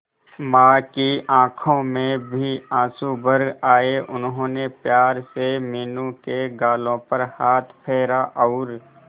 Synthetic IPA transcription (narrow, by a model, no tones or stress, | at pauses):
mãːkiãːkʰõmẽbʱiãːsubəɾɡaːeʔʊnɦõːnepjaːɾsemiːnũkeɡaːlõpəɾhaːt̪ʰpʰɛːɾaʔɔːɾ